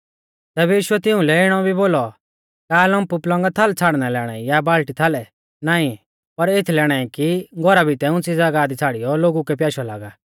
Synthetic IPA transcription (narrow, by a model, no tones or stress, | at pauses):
t̪ɛːβɛjiːʃʊɛt̪ɪũlɛɪɽ̃ɔbʱiboːlɔ | kaːlɔ̃mpuplɔ̃ŋɡat̪ʰɐlt͡sʰaːɽnɛlɛːɽ̃a̰ːijabaːlʈit̪ʰɐlɛ | naːĩ | pɐɾet̪ʰlɛːɽ̃aːikiɡʱɔɾabʱit̪ɛʊ̃nt͡sid͡zɐɡad̪it͡sʰaːɽijɔloːɡukɛp̬jaːʃɔla̰ːɡaː